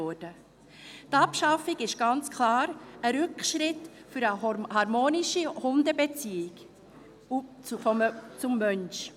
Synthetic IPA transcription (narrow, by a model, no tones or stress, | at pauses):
ɔd̥ə | t̪ɑpʃɑfɪɡɪʃɡ̥ɑnt͡skʰlɑːɾəɾʉkʃɾɪtfʏɾəhɑɾmoːnɪʃihʊndəbet͡siːɪɡ | fɔmt͡sʊmːœnʃ